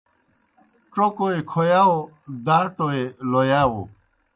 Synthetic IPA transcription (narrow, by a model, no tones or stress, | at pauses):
ʈ͡ʂokoekʰojaːo | d̪aːʈoelojaːwo̰